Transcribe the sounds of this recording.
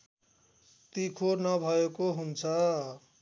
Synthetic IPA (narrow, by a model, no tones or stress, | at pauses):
t̪ikʰonʌbʱʌekoɦunt͡sʰʌ